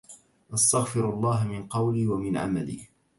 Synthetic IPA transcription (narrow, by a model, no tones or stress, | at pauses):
ʔɑst̪aɣfɪɾʔɑlˤːɑːɦamɪnqɑwliːwamɪnʕa̰ma̰lḭː